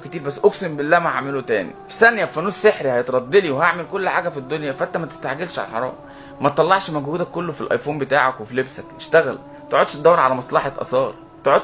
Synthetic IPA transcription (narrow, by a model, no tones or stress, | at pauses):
ket̪iːɾbæsːʔoksembelːæːmæʕamelot̪æːnḭfi̥sænjæfænuːsseħɾihæjet̪ɾˤɑd̪ˤːeliwehaʕmelkolːħaːɡæfid̪ːonjæfæʔænt̪æmæt̪e̥st̪aʕɡelʃʕa̰lælħɑ̰ɾˤɑ̰ːm | mæt̪t̪ːˤɑlːɑʕʃmæɡhuːd̪ækːolːofilʔɑ̰jfuːnbet̪aːʕakwefilebsækeʃt̪æɣæl | t̪oʕod̪ʃt̪d̪æwːɾʕalæmɑsˤlɑħɑt̪ʔɑ̰sˤɑːɾˤ | t̪oʕod̪